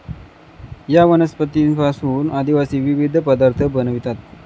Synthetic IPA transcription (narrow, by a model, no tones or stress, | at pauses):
jaʋənəspət̪iːnpasuːnad̪iʋasiːʋiʋid̪ʱəpəd̪aɾt̪ʰəbənəʋit̪at̪̚